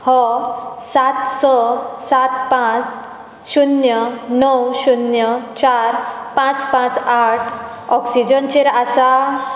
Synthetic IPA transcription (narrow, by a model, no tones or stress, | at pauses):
hɔsat̪sɔsat̪pãt͡s | ɕunjənɔwɕunjət͡ɕaɾ | pãt͡spãt͡saʈʰ | ɔksid͡ʑənt͡ɕeɾasa